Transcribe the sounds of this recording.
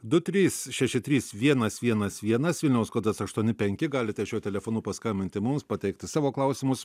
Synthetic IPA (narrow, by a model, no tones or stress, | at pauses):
d̪ʊt̪ʲɾʲiːsʃʲɛʃʲɪt̪ʲɾʲiːsʋʲiɛnɐsʋʲiɛnɐsʋʲiɛnɐsʋʲɪlʲnʲɛʊskoːd̪ɐsɐʃt̪uɔnʲɪpʲɛŋʲkʲɪɡɑːlʲɪt̪ʲɛʃʲuːt̪ʲɛlʲɛfoːnuːpɐskɐmʲbʲɪnʲt̪ʲɪmʊmspɐt̪ʲɛɪkt̪ʲɪsɑːʋoːklˠɐʊsʲɪmʊs